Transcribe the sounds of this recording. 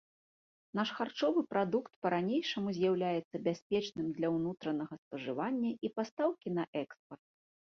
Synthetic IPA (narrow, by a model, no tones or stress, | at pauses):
naʂxart͡ʂɔvɨpɾad̪ukt̪pɐɾanʲejʂɐmuzʲjawlʲajɛt̪sːɐbʲasʲpʲɛt͡ʂnɨmd̪lʲɐwnut̪ɾɐnɐɣɐspɐʐɨvanʲːɐʔipast̪awkʲin̪ɐʔɛkspɐrt̪̚